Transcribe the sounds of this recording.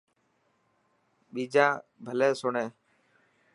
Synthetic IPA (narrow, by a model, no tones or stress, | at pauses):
ɓiːd͡ʒãːbʱəlɛːsoɳɛ̃ː